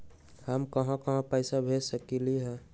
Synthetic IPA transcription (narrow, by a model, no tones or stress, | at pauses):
həmkəɦãkəɦãpəɪsabʱesəkiliɦɛ̃